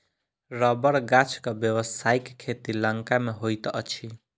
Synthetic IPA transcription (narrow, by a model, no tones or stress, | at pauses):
ɾəbəɾɡat͡ʃʰkʌbjəwəsaikkʰːet̪iləŋkameɦojt̪ʔʌt͡ʃʰi